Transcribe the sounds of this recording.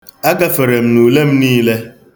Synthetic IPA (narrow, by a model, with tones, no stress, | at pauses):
a˦ɡa˦fe˨ɾe˨m̩˦nu˨le˦m̩˦niː˦le˦